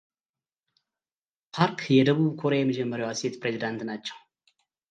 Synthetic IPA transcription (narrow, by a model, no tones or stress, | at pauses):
pʰaɾkʰjɛd̪əbubkʰoɾejɛmɨd͡ʒɐmːəɾjowaset̪pʰɾezid̪ant̪ɨnat͡ʃːɐ̃